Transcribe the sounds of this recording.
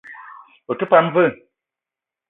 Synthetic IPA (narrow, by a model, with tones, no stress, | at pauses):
o˨kə˦pa˦n˦və˦˨